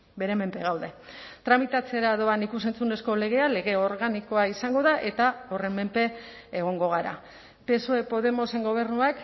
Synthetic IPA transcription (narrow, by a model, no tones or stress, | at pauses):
be̞ɾe̞me̞mpe̞ɣawðe̞ | t̪ɾamit̪at͡se̞ɾaðo̞anikus̬e̞nt͡sune̞sko̞le̞ɣ̞e̞ale̞ɣe̞o̞ɾɣaniko̞aisaŋɡo̞ðaʔe̞t̪ao̞re̞me̞mpe̞ː | ɣ̞o̞ŋɡo̞ɣ̞aɾa̰ | pe̞soe̞po̞ð̞e̞mo̞se̞ŋɡo̞β̞e̞ɾnuak